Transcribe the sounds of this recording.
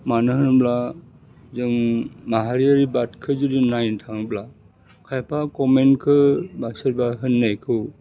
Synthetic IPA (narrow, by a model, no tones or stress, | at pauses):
manɯɦɯnbla | zɯŋmaɦaɾiaɾibatkʰɯzudinajntʰaŋbla | kʰajpʰakɔmenkʰɯbasɯɾbaɦɯnːajkʰɯw